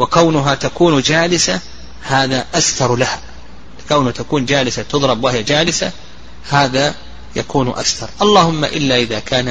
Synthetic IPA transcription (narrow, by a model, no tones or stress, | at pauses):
wɪkawnʊɦat̪akuːnd͡ʒaːlɪsa | haːðaʔasθɑɾˤlaha | lɪkawnhat̪akuːnd͡ʒaːlɪsat̪ʊðˤɾˤɑbwɪhɪjad͡ʒaːlɪsa | haːða | jakuːnʔa̰sθɑɾˤʔɑlˤːɑːhʊmːa̰ʔɪlːaʔɪðakʰaːna